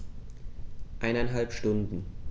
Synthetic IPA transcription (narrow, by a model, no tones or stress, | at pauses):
ʔaɪnaɪnɦalpʃtʊndn̩